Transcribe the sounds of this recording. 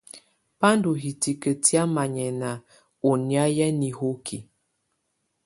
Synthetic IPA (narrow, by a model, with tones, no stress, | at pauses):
pa˦ndu˨ɦi˨ti˨kə˨ti˦a˦ma˨ɲɛ˨na˨ | o˨ni˨a˦jɛ˦ni˨ho˦kʰi˨